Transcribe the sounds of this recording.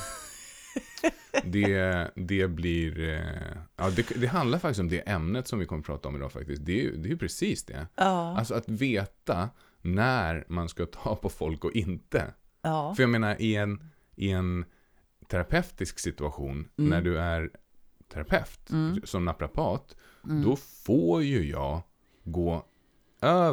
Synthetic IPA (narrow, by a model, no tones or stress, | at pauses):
d̪ɛd̪ɛbliɾ | jʔɑːd̪ɛkd̪ɛɦand̪laɾfakt̪ɪst̪ɔmd̪ɛʔɛmnət̪sɔmvɪkʰɔmːəpʰɾɑ̰ːt̪aɔmɪd̪ɑ̰ːfa̰k̚t̪ɪskt̚d̪ɛj̰d̪ɛjɵpʰɾɛsiːsd̪ɛ̰alsɔat̪veːt̪a | næɾmanskat̪ʰɑːpʰɔfɔlkɔʔɪnt̪ə̰ | fœɾjaɡmeːnaɾʔɪɛn | ʔɪɛn | t̪ʰæɾapʰɛft̪ɪsksɪt̪ɵaɧṵːnːæɖɵæɾ | t̪ʰæɾapʰɛft̪sɔmnapɾapʰɑːt̪ | d̪ɔfojɵjɑ̰ːɡ | ɡoː | ʔøː